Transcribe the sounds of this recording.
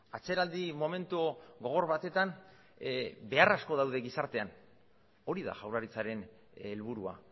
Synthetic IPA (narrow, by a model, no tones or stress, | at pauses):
at͡se̞ɾald̪imo̞me̞nt̪uɣo̞ɣ̞o̞ɾβat̪e̞t̪an | be̞arasko̞ðawðe̞ɣisaɾt̪e̞an | o̞ɾiða̰ʝawlaɾit͡saɾe̞n | elβ̞uɾua̰